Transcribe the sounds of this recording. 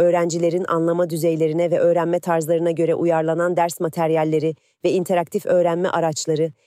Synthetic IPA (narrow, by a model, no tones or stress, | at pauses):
ø̞ːɾænd͡ʒilʲe̞ɾinʔa̰nlˠamad̪yzejlʲe̞ɾinɛvɛʔø̞ːɾænmɛt̪ʰaɾzlˠaɾɯnaɟø̞ɾɛʔujaɾlˠanand̪æɾsmat̪ʰæɾjalʲːe̞ɾɪ | vɛint̪ʰeɾakt̪ʰifø̞ːɾænmɛ̰ʔaɾat͡ʃlˠaɾɯ